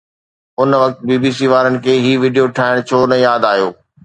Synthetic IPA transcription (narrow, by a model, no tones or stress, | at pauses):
ʊnʋɐk̚t̪̚biːbiːsiːʋaːɾənɪ̆kʰeːɦiːʋiːɖijoʈʰaːɪɽ̃t͡ɕʰoːnəjaːd̪aːɦijoː